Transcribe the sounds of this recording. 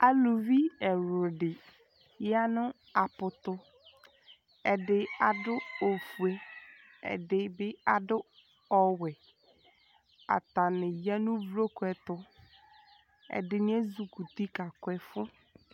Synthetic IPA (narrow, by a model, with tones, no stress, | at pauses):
a˨lʊ˨vi˦ɛ˨ɾʊ˨dɪ˨ | ja˦nʊ̃˦ | a˨pʊ˨t̪ʊ˦ | ɛ˨dɪ˨a˨dʊ˦o˨fu˨e˦ | ɛ̰˨dɪ˨bɪ˦a˨dʊ˦ | ɔ˨wɛ˨ | a̰˨t̪a˨nɪ̃˨ja˦nʊ̃˦vɾo˦kɛ˨tʊ˦ | ɛ̰˨dɪ˨nɪ̃˦ɛ˦zu˨ku˨t̪i˦ka˨kʊ˨˦ɛ˨fʊ˦